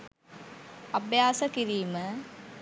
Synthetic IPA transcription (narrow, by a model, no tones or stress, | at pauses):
ɐbjaːsəkiɾiːmə